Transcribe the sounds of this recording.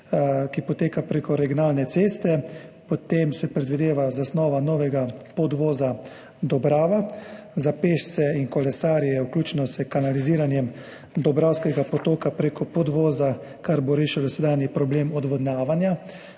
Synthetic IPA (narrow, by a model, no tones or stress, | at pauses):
kipɔt̪eːkapɾeːkɔɾɛɡʲjɔnaːlnɛt̪seːst̪ɛpot̪emsɛpɾɛd̪ʋid̪eːʋazasnɔːʋanɔːʋɛɡapɔd̪ʋɔːza | d̪ɔbɾaːʋazapeːʃt͡ssɛinkɔlɛsaːɾijɛuwklʲuːt͡ʃnɔsɛkanaliziːɾanjɛm | d̪ɔbɾaːwskɛɡapɔt̪oːkapɾeːkɔpɔd̪ʋɔːza | kaɾboɾeːʃilɔsɛd̪aːnjipɾɔbleːmɔd̪ʋɔd̪naːʋanja